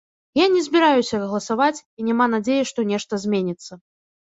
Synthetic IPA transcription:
janʲɛzʲbʲiɾajusʲɐrɐɣlˠɐsavat͡sʲinʲɛmanad͡zʲejɛʂt̪ɔnʲɛʂt̪ɐzʲmʲenʲit̪sːɐ

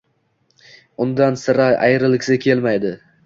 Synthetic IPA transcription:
ʊnd̪ansɪɾaa̰jɾɪlɪkʲsɪkʲʰe̞lmajd̪ɪ

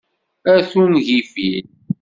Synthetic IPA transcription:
æθunʝifil

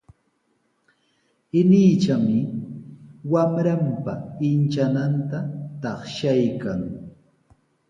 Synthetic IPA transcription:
ɪniːt͡ʃamɪ | wamɾampa̰ɪnt͡ʃanant̪at̪ɑχʃajkaŋ

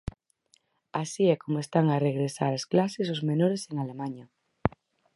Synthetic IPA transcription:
asiɛkomoest̪aŋareɣɾesaɾasklases̬ozmenoɾeseŋalemaɲa

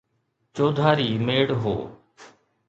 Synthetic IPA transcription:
t͡ʃoːd̪ʱaːɾiːmeːɽɦo̰ː

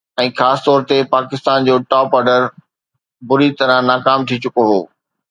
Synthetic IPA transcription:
ɛ̃ːxaːsɪ̥t̪ɔːɾt̪epaːkɪst̪aːnd͡ʑoːʈɔːpɔːɾɖəɾ | bʊɾit̪ɐɾə̃naːkaːmt̪ʰit͡ɕʊkoɦoː

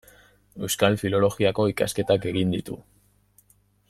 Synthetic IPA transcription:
e̞wskalfilo̞lo̞ɣiako̞ika̰ske̞t̪ake̞ɣind̪it̪ṵ

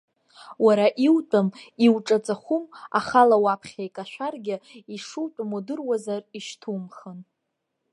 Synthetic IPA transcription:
waɾaʔiwtʼɨmiwʈ͡ʂʼat͡sʼaχʷuma̰χalawapʰχʲajkʼaʃʷᶣarɡʲɪiʂuwtʼmodɨrwazariʃtʰumχən

